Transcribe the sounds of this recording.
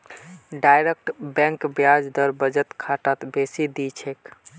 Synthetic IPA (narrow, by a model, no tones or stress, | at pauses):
ɖajɾek̚ʈbɛ̃ŋkbjad͡ʒd̪əɾbəd͡ʒət̪kʰaʈat̪besid̪it͡ʃʰek